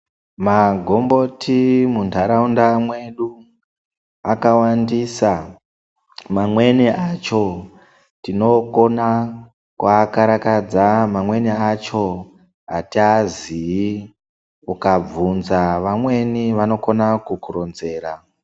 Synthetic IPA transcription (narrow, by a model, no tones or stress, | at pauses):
maɡʱo̞mbo̞tʰimuntʰaɾaundamwe̞ɗu | akawandisa | mamwe̞niʔat͡ʃo̞ | tino̞ko̞na | kwakaɾakad͡zamamwe̞niat͡ʃo̞ | a̰tiazii | ukab͡vunzaʋamwe̞niʋano̞ko̞nakukuronze̞ːɾa